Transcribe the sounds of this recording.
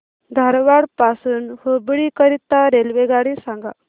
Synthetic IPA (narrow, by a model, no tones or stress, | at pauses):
d̪ʱaɾʋaɽpasuːnhəbɭikəɾit̪ːaɾelʋeɡaɽisãŋɡa